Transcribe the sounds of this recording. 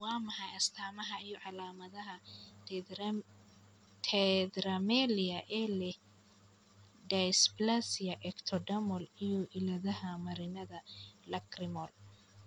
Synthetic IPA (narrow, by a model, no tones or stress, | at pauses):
wɑːmɐħɑjɐst̪ʰaːmɐɦɐijɔʕɑlaːmɐðɐɦɐ | t̪ʰɛd̪ɾɐmɛlɪɐʔɛːlɛh | dɐsblasɪjɐʔɛkt̪ʰɔɖɐmɔlijɔʔɪlɐðɐɦɐmɐɾɪnɐðɐlɐkrɪmɔl